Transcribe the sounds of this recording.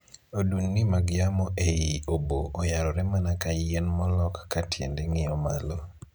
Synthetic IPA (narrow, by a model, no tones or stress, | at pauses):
odunːimaɡɪjamɔʔejioboːjaɾɔɾɛmanakajenmɔlɔkːatʰjḛndeŋɪɔmalɔ